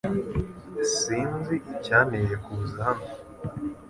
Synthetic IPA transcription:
siːnziʔːcaːnejekuːzahano

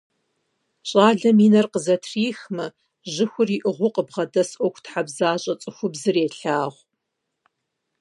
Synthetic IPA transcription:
ɕʼaːɮɐmiːnɐrqəzɐtʰriːxmɐ | ʒɨxʷʊriʔɨʁʷʊqəbʁɐdɐsʔʷɔkʷʰtħabzaːɕʼɐt͡sʼɨxʷʊbzɨreːɬaːʁʷ

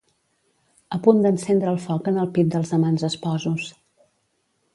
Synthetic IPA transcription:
əpund̪ənsɛnd̪ɾəːlˠfɔkənəlˠpit̪̚d̪əlˠzðəmanzəspɔzus

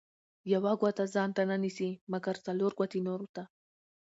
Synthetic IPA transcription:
jawaɡʷat̪azaːnt̪ananisimɐɡɐɾt͡saloɾɡʷat̪inoɾut̪a

